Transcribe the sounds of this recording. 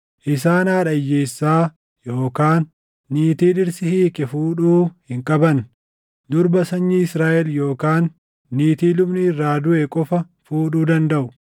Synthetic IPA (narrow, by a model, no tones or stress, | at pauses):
ʔɪsaːnaːᶑɐjːeːsːaː | jo̞ːkaːnː | iːt̪iːᶑɪɾsɪhiːkʼɛfuːᶑuːhɪŋkʼɐbɐn | d̪ʊɾbɐsɐɲːiɪsɾaːʔɛljo̞ːkaːnː | iːt̪iːlʊbnɪɪrːaːd̪ʊʔɛkʼɔfɐ | fuːᶑuːd̪ɐnd̪ɐʔʊ